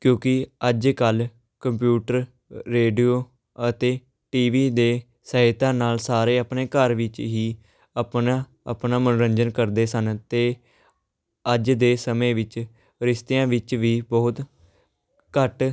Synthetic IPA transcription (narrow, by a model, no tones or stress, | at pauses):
kjõːkɪəd͡ʒkəl | kəmp̬juːʈəɾː | eːɖiːoː | ət̪eː | ʈiːʋiːd̪eː | səɦɪt̪ãːnaːlsaːɾeːəpneːkəɾʋɪt͡ʃɦiː | əpnaː | ə̰pnaːmənɾəɲd͡ʒənkəɾd̪eːsənt̪eː | əd͡ʒd̪eːsəmẽːʋɪt͡ʃ | ɾɪʃt̪eːãːʋɪt͡ʃʋiːbɔːʊt̪ | kəʈ